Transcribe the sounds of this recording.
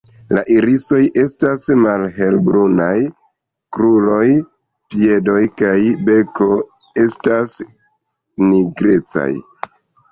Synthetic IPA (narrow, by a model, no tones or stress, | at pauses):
laʔiɾiso̞jʔe̞stasmalɦe̞lbɾunaj | kɾulo̞j | pie̞do̞jkajbe̞ko̞ | e̞stas | niɡɾe̞t͡sa̰j